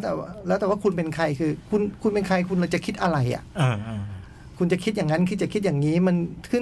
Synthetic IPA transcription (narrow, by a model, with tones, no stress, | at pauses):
wt̪ɛː˨˩a˧˩lɛː˦˥wt̪ɛː˨˩waː˧˩kʰu˧npe˧nkʰa˧jkʰɯː˧kʰu˧nkʰu˧npe˧nkʰa˧jkʰu˧nla˧˩t͡ɕa˨˩kʰi˦˥t̪̚ʔa˧ɾa˨˩jʔa̰˨˩˧ | kʰu˧nt͡ɕa˨˩kʰi˦˥t̪̚jaː˨˩ŋːa˦˥nkʰːt͡ɕa˨˩kʰi˦˥jaː˨˩ŋiː˦˥ma˧˨ntʰɯ˧˥˨